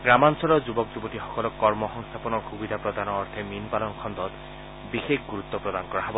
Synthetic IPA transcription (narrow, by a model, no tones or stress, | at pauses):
ɡɾamansɔɾɔd͡ʒubɔk̚d͡ʒubɔʈixɔkɔlɔkːɔɾmɔɦɔŋst̪ʰapɔnɔɾxubid̪ʱapɾɔd̪ʱanɔːɾt̪ʰeminpalɔŋkʰɔnd̪ɔt̪ | bixekʰɡuɾut̪ːɔpɾɔd̪ankɔɾaɦebɔ